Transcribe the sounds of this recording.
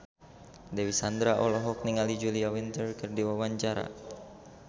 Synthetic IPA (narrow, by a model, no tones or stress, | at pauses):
dewisand̪ɾaʔɔlɔɦɔk̚niŋalid͡ʒuliawint̪ərkɨrdiwawaɲt͡ʃaɾa̰